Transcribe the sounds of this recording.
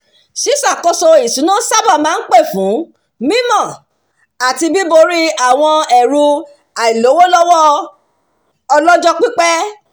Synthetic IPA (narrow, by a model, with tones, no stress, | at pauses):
ʃi˨˦sa˦˨kɔ˧so˧i˨sũ˨˦nũ˦sa˦ba˦˨mãː˨˦n̩˦k͡pe˦˨fũ˨˦ | mĩ˦mɔ̃˦˨ | a˨ti˧bi˦bo˧ɾi˦a˦˨w̃ɔ̃˧ɛ˨ɾu˧ | a˨i˨lo˨˦wo˦lɔ˦wɔ˦ | ɔ˧lɔ˦d͡ʒɔ˦k͡pi˦k͡pɛ˦